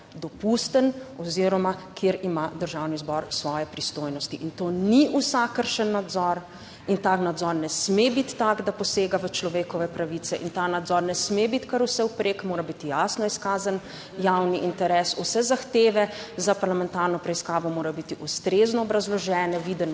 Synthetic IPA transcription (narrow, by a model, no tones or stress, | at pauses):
d̪ɔpust̪ənɔziɾɔmakʰjeɾimad̪əɾʒawnizbɔɾsʋɔːjɛpɾist̪oːjnɔst̪iʔint̪oniʔusakəɾʃənːad̪zɔɾ | int̪aːknad̪zɔɾnɛsmebit̪ːaɡd̪apɔseːɡaʋət͡ʃlɔʋeːkɔʋɛpɾaʋit̪sɛʔint̪anad̪zɔɾnɛsmebit̪kaɾusɛwpɾʔekmoːɾabit̪ijasnɔiskaːzan | jawniʔint̪ɛɾɛsusɛzaxt̪eːʋɛzapaɾlamɛnt̪aːɾnɔpɾɛiskaːʋɔmoːɾajɔbit̪iʔust̪ɾeznɔːbɾazlɔʒɛːnɛʋid̪ɛn